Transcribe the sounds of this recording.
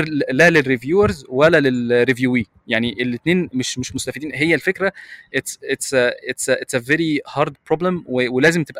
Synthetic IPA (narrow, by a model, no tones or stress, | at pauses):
lælerːivjuːæɾzwælælelrivjuːwiː | jaʕniʔelːet̪neːnmeʃmeʃmost̪æfid̪iːnɦejːælfekɾæʔet̪set̪set̪set̪sæveɾihɑɾd̪̚pɾoblæmwewelæːzemt̪ebʔ